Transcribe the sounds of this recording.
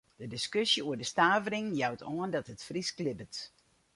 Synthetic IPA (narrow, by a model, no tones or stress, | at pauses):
d̥ədɪskøsjəuədəstaːvəɾɪŋjawtʰoəndɔtɦətfrisklɪbət